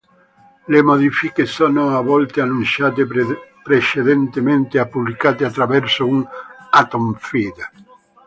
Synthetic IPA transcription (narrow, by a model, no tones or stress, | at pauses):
lemod̪ifikesɔːnoavɔlt̪eanːunsaːt̪̬epɾet͡ʃed̪ent̪ement̪eapːublikaːt̪eat̪ːɾavɛrsounat̪omfiːd̪